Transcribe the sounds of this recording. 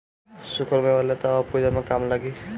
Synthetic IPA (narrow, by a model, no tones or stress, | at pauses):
sukʰəɾmeolet̪ɔpud͡ʒamekamlaɡi